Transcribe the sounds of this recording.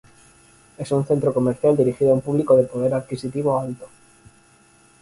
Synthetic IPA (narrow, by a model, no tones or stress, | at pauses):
e̞sunθe̞nt̪ɾoko̞meɾθjald̪iɾixiðoaumpuβlikoðepo̞ð̞e̞ɾaðkisit̪iβ̞oalt̪o